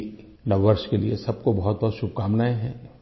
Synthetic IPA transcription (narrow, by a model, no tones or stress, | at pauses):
nɐʋːəɾʃkeliesɐb̚kobɐɦɔt̪̚bɔɦːt̪ʃʊb̚kaːmnaːeɦɛ̃ː